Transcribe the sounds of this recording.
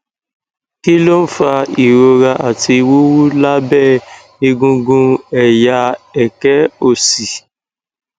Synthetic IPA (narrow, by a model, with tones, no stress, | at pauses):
ki˦lo˦n̩˦fa˧i˨ɾo˧ɾa˧ʔa˨ti˧wo˦wu˦la˦bɛ˦˨ | i˧ɡũ˧ɡũ˧ɛ˨ja˧ɛ˨kɛ˨˦o˦˨si˨